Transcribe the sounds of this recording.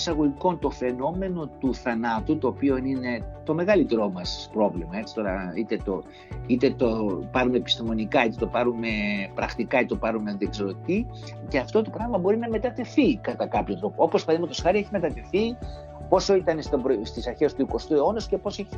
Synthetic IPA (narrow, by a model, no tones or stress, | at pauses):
sɐɣo̞ʝiko̞nt̪o̞fe̞no̞me̞no̞t̪uθɐnɐt̪ut̪o̞ːpio̞nine̞t̪o̞me̞ɣɐlit̪e̞ɾo̞mɐspɾo̞vlimɐe̞t͡si̥t̪o̞ɾɐ̰it̪e̞t̪o | it̪e̞t̪opɐɾume̞pi̥st̪imo̞nikɐit̪et̪o̞pɐɾume̞pɾɐxt̪ikɐit̪et̪opɐɾumeðeksɾot̪t̪i | ce̞ɐft̪o̞t̪o̞pɾɐɣlimɐbo̞ɾinɐme̞t̪ɐt̪e̞fikɐt̪ɐkɐpçont̪ɾo̞poo̞pospɐðimet̪oxɐɾie̞çime̞t̪ɐt̪e̞θi | po̞soit̪ɐnest̪obɾost̪isɐɾçe̞st̪uiko̞st̪ueo̞nosu̥ce̞po̞se